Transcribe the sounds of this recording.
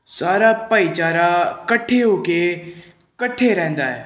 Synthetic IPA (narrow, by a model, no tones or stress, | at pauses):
saːɾapəit͡ʃaːɾakəʈʰeɦoːke | kəʈʰeɾɛ̃ːnd̪aːɛ̰ː